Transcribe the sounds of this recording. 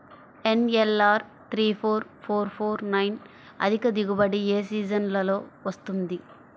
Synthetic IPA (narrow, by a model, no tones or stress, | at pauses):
enelaːɾ | t̪ʰɾiːpʰoːɾpʰoːɾpʰoːɾnɐjn | ɐ̰d̪ʱikɐd̪iɡubɐɽieːs̬iːd͡ʒɐnlɐlo̞ːʋɐst̪und̪i